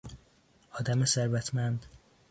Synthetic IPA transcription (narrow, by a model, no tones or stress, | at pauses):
ɒːd̪æmeseɾvæt̪ʰmænd̪